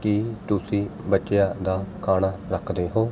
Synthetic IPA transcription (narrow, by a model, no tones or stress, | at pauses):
kɪt̪ʊsĩːbətːt͡ʃɪjaːd̪aːkʰaːnaːɾəkʰd̪eːɦoː